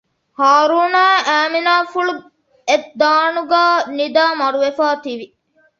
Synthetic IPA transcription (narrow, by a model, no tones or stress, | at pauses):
haːɾuːnaːæːminaːfuɭu | ed̪aːnuɡaːnid̪aːmɐɾuʋefaːt̪iʋi